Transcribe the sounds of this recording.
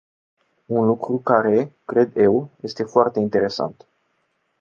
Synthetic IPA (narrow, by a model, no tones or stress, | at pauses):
unlukɾukaɾe̞kɾe̞d̪e̞wje̞st̪e̞foart̪e̞int̪e̞ɾe̞sa̰nt̪